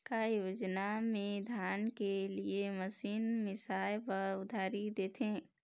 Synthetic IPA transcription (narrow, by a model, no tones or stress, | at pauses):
kajoːd͡ʒnamẽd̪ʱjaːnkelieməsiːnmɪsaːjpəɾʊd̪ʱaːɾid̪eːt̪ʰẽː